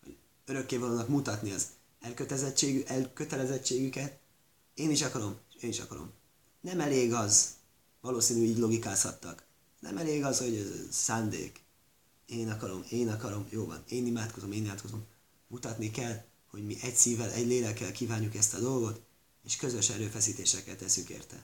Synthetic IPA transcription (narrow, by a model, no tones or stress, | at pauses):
ho̰ɟ | øɾø̞kːeːvɒloːnɒkmut̪ɒt̪niɒz | ɛlkøt̪ɛzɛt͡ʃːeːɡyʔɛlkøt̪ɛlɛzɛt͡ʃːeːɡykɛt̪ | eːniʃɒkɒɾo̞meːniʃɒ̰kɒɾo̰m | nɛmɛleːɡɒz | vɒloːsiːnyiːɟlo̞ɡikaːshɒt̪ːɒk | nɛ̰mɛleːɡɒzho̞ɟøsaːnd̪ḛːk | eːnɒkɒɾo̞meːnɒkɒɾo̞mjoːvɒ̰neːnimaːt̪ko̞zo̞meːnimaːt̪ko̞zo̞m | mut̪ɒt̪nikɛl | ho̞ɟmiʔɛcsiːvɛlɛɟleːlɛkːɛlkiːvaːɲːukɛst̪ɒd̪o̞lɡo̞t̪ | eʃkøzø̞ʃɛɾøːfɛsiːt̪eːʃɛkːɛt̪ːɛsyŋkḛːrt̪ɛ̰